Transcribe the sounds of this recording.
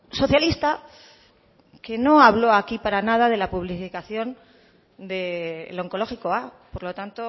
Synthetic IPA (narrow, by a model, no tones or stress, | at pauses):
so̞θjalist̪a | ke̞no̞aβlo̞akipaɾanað̞aðe̞lapuβlifikaθjo̞n | d̪elo̞ŋko̞lo̞xiko̞apo̞ɾlo̞t̪ant̪o